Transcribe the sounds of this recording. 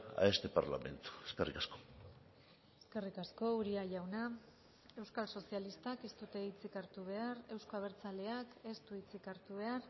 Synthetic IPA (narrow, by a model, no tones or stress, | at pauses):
a̰est̪epa̰ɾla̰me̞̰nt̪u̥eskerḭkasko̞̥ | eske̞rikasko̞uɾiaʝawna | e̞wskalso̞sialist̪ake̞st̪ut̪e̞it͡sikaɾt̪uβ̞e̞aɾe̞wskoaβ̞eɾt͡sale̞ake̞st̪uit͡sikaɾt̪uβ̞e̞ar